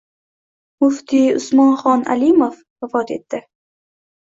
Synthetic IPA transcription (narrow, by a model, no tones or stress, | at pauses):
mʊft̪ʰiʊsmɒnχɒna̰limof | wafɒt̪e̞̰t̪ːɪ